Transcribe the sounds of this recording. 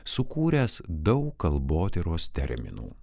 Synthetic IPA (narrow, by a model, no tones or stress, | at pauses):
sʊkuːɾʲɛːsd̪ɒʊkkɐlˠboːt̪ʲɛɾoːst̪ʲɛ̰ɾʲmʲɪ̰nṵː